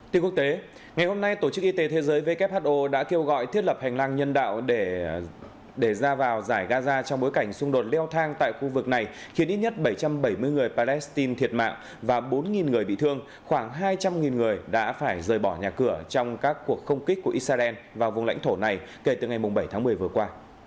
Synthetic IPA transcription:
t̪i˧ŋku˦˥ək̚t̪e˨˦ | ŋa˨˩jho˧mna˧jt̪o˧˩t͡ɕɨ˦˥k̚ʔi˧t̪e˨˦t̪ʰe˨˦zəː˨˦jve˨˦kɛ˦˥p̚haː˦˥t̚ʔo˧ɗa̰ː˧˥ke˧wɣɔ̰˧˨jt̪ʰi˦˥ət̚lə˨˩p̚ha˨˩jŋ̟laː˧ŋɲə˧nɗa̰ː˧˨wɗe˧˩ | ɗe˧˩zaː˧vaː˨˩wzaː˧˩jɣaː˧zaː˧t͡ɕɔ˧wŋ͡mɓo˨˦jka˧˩jŋ̟sʊ˧ŋ͡mɗo˨˩t̚lɛ˧wt̪ʰaː˧ŋt̪a̰ː˧˨jxu˧vɨ˨˩k̚na˨˩jxi˨˦nʔi˦˥t̚ɲə˦˥t̚ɓə˧˩jt͡ɕa˧mɓə˧˩jmɨ˧əjŋɨ˨˩əjpaː˧lɛ˦˥st̪i˧nt̪ʰi˨˩ət̚ma̰ː˧˨ŋ | vaː˨˩ɓo˨˦nŋi˨˩nŋɨ˨˩əjɓḭ˧˨t̪ʰɨ˧əŋ | xwaː˧˩ŋɦaː˧jt͡ɕa˧mŋi˨˩nŋɨ˨˩əjɗa̰ː˧˥faː˧˩jzəː˨˩jɓɔ˧˩ɲaː˨˩kɨ˧˩ət͡ɕɔ˧wŋ͡mkaː˦˥kːu˨˩ək̚xə˧wŋ͡mki˦˥k̚kːu˧˩əʔi˦˥saː˧ʔɛ˧nvaː˨˩wvʊ˨˩ŋ͡mŋla̰˧˥ŋ̟t̪ʰo˧˩na˨˩jke˧˩t̪ɨ˨˩ŋa˨˩jmʊ˨˩ŋ͡mɓə˧˩jt̪ʰaː˨˦ŋmɨ˨˩əjvɨ˨˩əkwaː˧

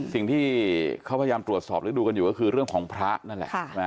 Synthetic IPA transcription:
si˨˩ŋt̪ʰiː˥˩kʰa˦˥pʰa˧a˧jaː˧mt̪ɾu˨˩ət̪̚sɔː˨˩p̚ɾɯː˩˦duː˧ka˧njuː˨˩kɔː˥˩kʰɯː˧ɾɯ˥˩əŋkʰɔː˩˦ŋpʰɾa˦˥ʔna˥˩nlɛ̰˨˩ʔma˦˥

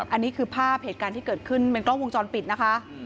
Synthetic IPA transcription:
ʔa˧nːiː˦˥kʰɯː˧pʰaː˥˩p̚heː˨˩˦t̪kaː˧nt̪iː˥˩kɤː˨˩t̪̚kʰɯ˥˩npe˧nklɔ˥˩ŋwo˧ŋt͡ɕɔː˧npi˨˩t̪̚na˦˥kʰa˦˥ʔ

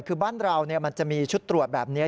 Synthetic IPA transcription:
kʰɯː˧baː˥˩nɾa˧wni˥˩ɐma˧nt͡ɕa˨˩miː˧t͡ɕʰu˦˥t̪ːɾu˨˩ət̪̚bɛː˨˩p̚ni˦˥ɐ

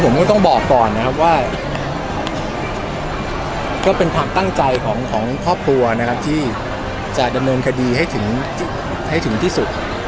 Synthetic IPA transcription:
pʰo˩˦mkɔː˥˩t̪ɔ˥˩ŋbɔː˨˩kːɔː˨˩nːa˦˥kʰa˦˥p̬̚waː˥˩ | kɔː˥˩pe˧nkʰaː˧mt̪a˥˩ŋt͡ɕa˧jkʰɔː˩˦ŋkʰɔː˩˦ŋkʰɾɔː˥˩p̚kʰlu˧ɐna˦˥kʰa˦˥p̚t̪ʰiː˥˩ | t͡ɕa˨˩da˧mnɤː˧nkʰa˧diː˧ɦa˥˩jt̪ʰɯ˩˦ŋt̪ʰː | ha˥˩jt̪ɯ˩˦ŋt̪ʰiː˥˩su˨˩t̪̚

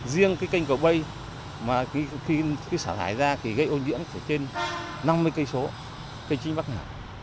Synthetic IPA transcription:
zi˧əŋkaː˨˦jka˧jŋ̟kə˨˩wɓə˧j | maː˨˩i˧xi˧kɨ˨˦saː˧˩a̰ː˧˩jzaː˧ki˨˩ɣə˧jʔo˧nzḭ˧˥ənt̪ʰe˧˩t͡ɕe˧n | na˧mːɨ˧əjkə˧jso˨˦ | kə˧jŋt͡ɕi̟˨˦ɓa˦˥k̚ŋaː˧˩

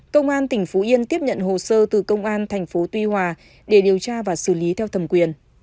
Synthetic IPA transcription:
kə˧wŋ͡mʔaː˧nt̪ï˨˩ŋ̟fo˨˦ʔi˧ənt̪i˦˥əp̚ɲə̰˧˨nɦo˨˩səː˧t̪ɨ˨˩kə˧wŋ͡mʔaː˧nt̪ʰɛ˨˩jŋ̟fo˨˦t̪wi˧hwaː˨˩ | ɗe˧˩ɗi˨˩əwt͡ɕaː˧vaː˨˩sɨ̰˧˩li˨˦t̪ʰɛ˧wt̪ʰə˨˩mkwi˨˩ən

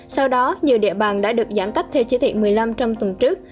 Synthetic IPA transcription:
sa˧wɗɔ˨˦ɲi˨˩wɗḭ˧˨əɓaː˨˩nɗa̰ː˧˥ɗɨ˨˩ək̚za̰ː˧˩nka˦˥k̟̚t̪ʰɛ˧wt͡ɕi˨˦t̪ʰḭ˧˨mɨ˨˩əjla˧mt͡ɕɔ˧wŋ͡mt̪wə˨˩nt͡ɕɨ˦˥ək̚

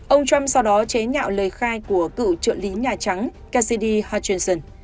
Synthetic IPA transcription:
ʔə˧wŋ͡mt͡ɕwa˧msa˧wɗɔ˨˦t͡ɕe˨˦ɲa̰ː˧˨wləː˨˩jxaː˧jku˧˩əkɨ̰˧˨t͡ɕɨ̰˧˨nli˨˦ɲaː˨˩t͡ɕa˨˦ŋ | ka˧si˧ɗi˧haː˧t͡ɕi˧nsə˧˩n

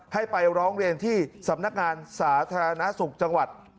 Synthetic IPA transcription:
ha˥˩jpa˧jɾɔː˦˥ŋɾi˧ənt̪ʰiː˥˩sa˩˦mna˦˥k̚ŋaː˧nsaː˩˦t̪ʰaː˧ɾa˧na˦˥su˨˩k̚t͡ɕa˧ŋwa˨˩t̪̚

